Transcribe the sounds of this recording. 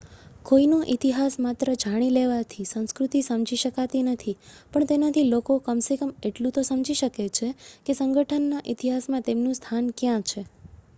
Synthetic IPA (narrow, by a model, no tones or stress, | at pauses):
koinoʔit̪iɦasmat̪ɾəd͡ʒaɽ̃ileʋat̪ʰisə̃w̃skɾut̪isəmd͡ʒiʃəkat̪inət̪ʰipəɳt̪enat̪ʰilokokəmsekəmeʈlũt̪osəmd͡ʒiʃəket͡ʃʰekesəŋɡəʈʰənːaʔit̪iɦasmãt̪emnũst̪ʰankjãt͡ʃʰe